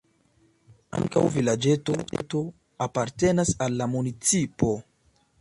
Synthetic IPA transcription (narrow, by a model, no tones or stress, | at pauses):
a̰ŋka̰wvilad͡ʒe̞to̞to̞ | apaɾte̞nasalːamunit͡sipo̞